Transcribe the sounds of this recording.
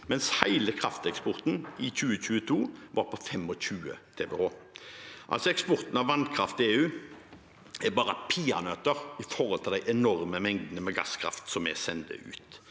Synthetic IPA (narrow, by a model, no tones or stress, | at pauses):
mɛnshæɪləkʰʁɑft̪ɛkspɔʁt̪n̩ɪçʉːəc͡çʉːət̪ʰuːʋɑɾpʰɔfɛmɔçʉːə̰t̪ʰeːbɛhoː | ʔɑ̰lsɔɛkspɔʁt̪n̩ɑʋːɑnkʰɾɑft̪ɪeːʉː | ɛbɑːʁəpʰiːɑ̰nœt̪əʁɪfɔʁhɔlt̪ʰɪld̪æɪʔɛnɔɾməmɛŋd̪nəmɛɡɑ̰skʰʁɑ̰ft̪sɔmɛ̰sɛnd̪ə̰ʔʉ̰ːt̪